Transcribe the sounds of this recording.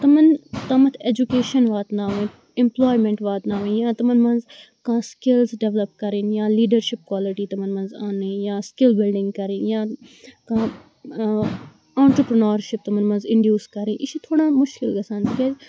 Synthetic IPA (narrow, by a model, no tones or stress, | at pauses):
t̪ɐmɐnt̪ɐmɐt̪ʰeːd͡ʒukeːʃɐnʋaːt̪naːʋẽː | ɪmploːjmẽɳʈʋaːt̪naːʋẽːjãːt̪ɐmɐnmɐ̃nz | kãːskɪlzɖeʋlɐpkɐɾinjãːliːɖəɾʃɪp̚kwaːliʈiːt̪ɐmɐnmɐ̃nzaːneːjãːskɪlbɪlɖɪ̃ŋɡkɐɾĩːnjãːkãː | ãːɳʈɾəpɾɐnaːɾʃɪp̚t̪ɐmɐnmɐ̃nzɪ̃ɳɖjuːskɐɾĩːʔɪʃit̪ʰoːɽaːmʊʃkɪlɡɐsãːnt̪ikeːd͡ʒ